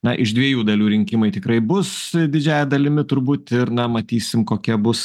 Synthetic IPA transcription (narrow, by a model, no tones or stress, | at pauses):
nɐʔɪʃd̪ʲʋʲiɛjuːd̪ɐlʲuːɾʲɪŋʲkʲɪmɐɪt̪ʲɪkɾɐɪbʊsdʲɪd͡ʒʲæːjɛd̪ɐlʲɪmʲɪt̪ʊɾbuːt̪ɪɾnɐmɐt̪ʲiːsʲɪmkoːkʲɛbʊs